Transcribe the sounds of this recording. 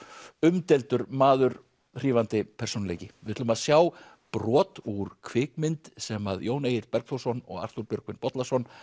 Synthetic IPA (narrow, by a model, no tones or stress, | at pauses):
ʏmt̪ɛlt̪ʏɾmaːðʏɾ | r̥iːvant̪ɪpʰɛɾ̥sownaleːjcɪvɪɾ̥t̪ʰʏlmaðsjaːw | pɾɔːt̪uɾkʰvɪːkmɪnt̪sɛmaðjoːwneːjɪɾt̪̚pɛɾkθowsɔnɔ̰ɣa̰r̥t̪uɾpjœɾkvɪnpɔt̪lasɔn